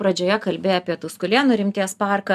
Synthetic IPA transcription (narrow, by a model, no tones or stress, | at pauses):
pɾɐd͡ʒʲoːjɛkɐlʲbʲeːjɛɐpʲiɛt̪ʊskʊlʲiɛnʊɾʲɪmʲt̪ʲiɛspɑˑrkɐ